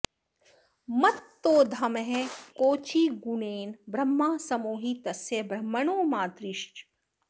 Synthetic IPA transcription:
mɐt̪ːoːd̪ʱɐmɦẽkoːt͡ʃiːɡuneːnbɾɐmːaːsɐmoːɦit̪ɐsjɐbɾɐmːɐɳoːmaːt̪ɾiʃt͡ʃ

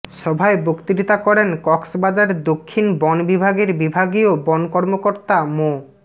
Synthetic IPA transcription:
ʃɔbʱaebokt̪iɾit̪akɔɾenkɔksbad͡ʑaɾd̪okʰːinbɔnbibʱaɡeɾbibʱaɡiobɔnkɔɾmokoɾt̪amo

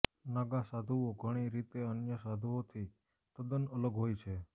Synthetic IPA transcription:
naɡasad̪ʱuoɡʱəɽ̃iɾit̪eənjəsad̪ʱuot̪ʰi | t̪əd̪ənələɡɦojt͡ʃʰe

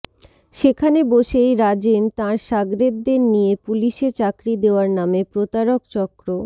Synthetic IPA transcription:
ʃekʰaneboʃejɾad͡ʑent̪ãɾʃaɡɾed̪d̪eɾnijepuliʃet͡ɕakɾid̪eoaɾnamepɾot̪aɾokt͡ɕɔkɾo

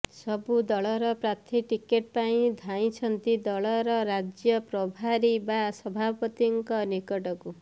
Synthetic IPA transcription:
sɔbud̪ɔɭɔɾɔpɾat̪ʰiʈikeʈ̚paĩd̪ʱaĩt͡ʃʰɔnt̪id̪ɔɭɔɾɔɾad͡ʒjɔpɾɔbʱaɾibasɔbʱapɔt̪iŋkɔnikɔʈɔku

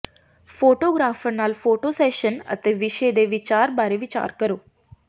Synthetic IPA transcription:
foːʈoːɡɾaːfəɾnaːlfoːʈosɛːʃənə̰t̪eʋɪʃed̪eʋɪt͡ʃaːɾbaːɾeʋɪt͡ʃa̰ːɾkəɾoː

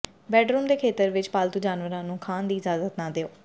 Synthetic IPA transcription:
bɛːɖɾuːmd̪eːkʰeːt̪əɾʋɪt͡ʃpaːlt̪uːd͡ʒaːnʋəɾãːnũːkʰaːnd̪iːɪzaːzət̪naːd̪eːoː

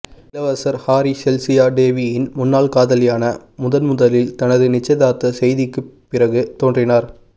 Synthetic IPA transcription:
lɐʋɐsɐɾhaːɾisɛlsɪjaːɖeːʋijɪnmʊnːaːlkaːðɐlɪjaːnɐmʊðɐnmʊðɐlɪlt̪ɐnɐðɯnɪt͡ʃːɐɪðaːt̪ːɐsɛjðɪkːɯpːɪrɐɣɯt̪oːndrɪnaːɾ

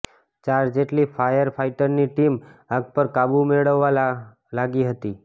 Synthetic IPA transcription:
t͡ʃaɾd͡ʒeʈlifʰajəɾpʰaiʈəɾniʈimãɡ̚pəɾkabumeɭəʋːa | laɡiɦət̪i

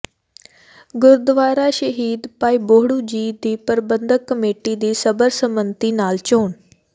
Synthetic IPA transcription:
ɡʊɾd̪ʋaːɾaːʃəɦiːd̪paːiːboːɽuːd͡ʒiːd̪iːpəɾbənd̪əkːəmeːʈiːd̪iːsəbəɾsəmənt̪iːnaːlt͡ʃoːn

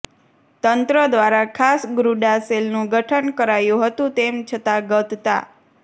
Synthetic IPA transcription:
t̪ənt̪ɾəd̪ʋaɾakʰasɡɾuɖaselnũɡʱəʈʰənkəɾajũɦət̪ũt̪emt͡ʃʰət̪aɡət̪t̪a̰

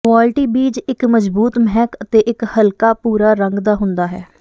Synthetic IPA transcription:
kʋaːlɪʈiːbiːd͡ʒɪkməd͡ʒbuːt̪məɦɛːkət̪eːʔɪkhəlkaːpuːɾaːɾəŋɡd̪aːɦʊ̃nd̪aːɦɛː

